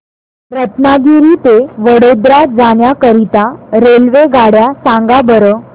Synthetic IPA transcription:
ɾət̪naɡiɾit̪eʋəɽod̪ɾad͡zaɳjakəɾit̪aɾelʋeɡʱaɽjasãŋɡabəɾəː

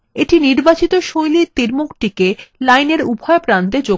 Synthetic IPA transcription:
eʈiniɾbat͡ɕit̪oʃojlit̪iɾmukʈikelajneɾubʱɔepɾant̪ed͡ʑo

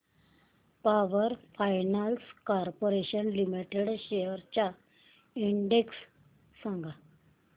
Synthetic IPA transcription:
paʋəɾfajnalskaɾpoɾeɕənlimiʈeɽɕejəɾt͡ɕja | iɳɖeksː | ãŋɡʱa

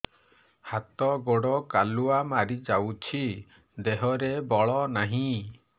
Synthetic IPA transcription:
hat̪ɔɡoɽɔkaluamaɾid͡ʒawt͡ʃʰi | d̪eɦɔɾebɔɭɔnaɦĩ

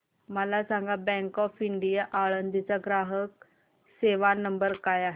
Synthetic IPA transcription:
məlasaŋɡabɛ̃ŋkɔfiɳɖijaʔaɭənd̪ʱit͡saɡɾaɦək̚ | seʋanəmbəɾkajaɦe

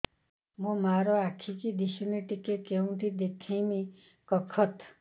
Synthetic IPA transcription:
mũmaɾoakʰikid̪isuniʈikeʈ̚keũt̪ʰid̪ekʰĩmi | kʌkʰɔt̪

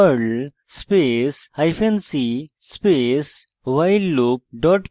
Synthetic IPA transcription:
əɾɖ | spesaɪfʰẽnsi | speːs | ʋaɪɖlup̚ɖɔʈ

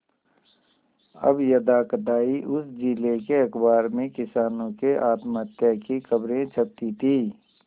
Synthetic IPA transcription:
ɐ̰bjɐd̪aːkd̪aːiʔʊsd͡ʒilekeɐkbaːɾmẽkɪsaːnõkeʔaːt̪mət̪jakikɐbɾẽt͡ʃʰɐp̚t̪it̪ʰiː

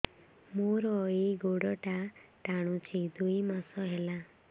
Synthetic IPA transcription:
moɾɔeɡoɽɔʈaʈaɽ̃ũt͡ʃʰid̪ujmasɔɦela

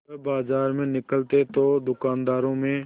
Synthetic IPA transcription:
əbaːzaːɾmẽnɪkəlt̪et̪oːd̪ʊkaːnd̪aːɾõːmẽː

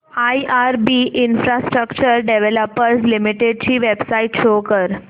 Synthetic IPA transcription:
aiʔaɾbiʔinfɾasʈɾəkt͡ɕəɾɖeʋeləpəɾslimiʈeɖ̚t͡ɕiːʋebsaiʈɕokəɾ

